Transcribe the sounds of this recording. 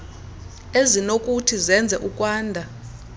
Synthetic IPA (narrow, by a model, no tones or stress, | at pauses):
ezinokʼutʰizɛnd͡zʱɛʔukʼwaːndʱa